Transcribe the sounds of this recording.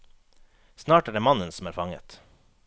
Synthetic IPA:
snɑːʈæːɖeːmɑnənsm̩æːɾfɑŋə̰t̪

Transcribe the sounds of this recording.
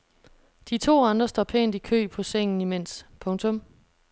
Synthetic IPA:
d̥it͡sʰo̝̰ːɑ̈nd̥ʁɐsd̥ɒ̰ːpʰḛːnd̥ikʰø̰ːpʰɒ̽seŋ̰n̩imen̰spʰɔ̽ŋt͡sʰɔ̽m

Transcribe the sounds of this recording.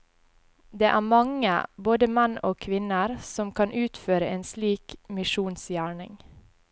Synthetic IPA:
d̪eːʔæːmɑŋə̰boːd̪əmɛnʔoːkʰʋɪnəɾsɔmkʰɑnʔʉːt̪føːɾəʔeːnsliːkmɪʃuːnsjæːɳɪ̰ŋ

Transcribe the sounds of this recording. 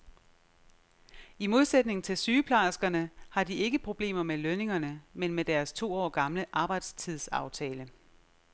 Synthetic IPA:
imo̝ð̞ˠsed̥ne̝ŋn̩t͡sʰe̝lsyːpʰlɑɪsɡ̥ɐnəhɑ̈die̝ɡ̥əpʰʁo̝b̥le̝̰ːmɐmeløne̝ŋɐnəmenmed̥æɐst͡sʰo̝̰ːɒ̰ːɡ̥ɑ̈mləʔɑ̈ːb̥ɑ̈ɪd̥st͡sʰið̞̰ˠsɑ̈ʊt͡sʰɛːlə

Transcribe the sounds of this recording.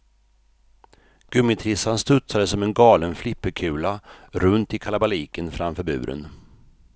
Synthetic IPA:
ɡ̥ɵmɪt̪ʰɾɪsanst̪ɵt̪sad̪əsɔmɛnɡɑːlənflɪpːəkʰʉ̟ːlaɾɵnt̪ɪkʰalabaliːkənfɾamfœɾbʉ̟̰ːɾʔə̰n

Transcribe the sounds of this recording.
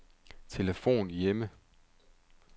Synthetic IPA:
t͡sʰe̝ləfo̝̰ːnjemə

